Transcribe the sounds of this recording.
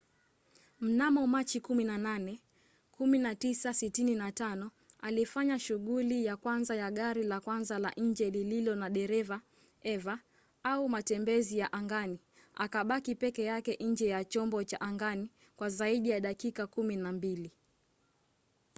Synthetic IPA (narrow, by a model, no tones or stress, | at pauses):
m̩namɔmat͡ʃikuminananɛ | kuminatisasitininatanɔ | alifaɲaʃuɠulijakwanzajaɠaɾilakwanzalaʔɲ̩d͡ʒɛlililɔnaɗɛɾɛva | ɛva | aumatɛmbɛzijaʔaŋɡani | akaɓakipɛkɛjakɛʔɲ̩d͡ʒɛjat͡ʃɔmbɔt͡ʃaʔaŋɡani | kwazaiɗijaɗakikakuminambili